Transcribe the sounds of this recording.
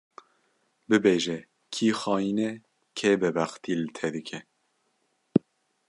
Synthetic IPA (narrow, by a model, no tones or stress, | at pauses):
bɨbeːʒɛ | kʰiːxɑːjiːnɛ | kʰebɛbæxt̪iːlɨt̪ʰɛd̪ɨkʰɛ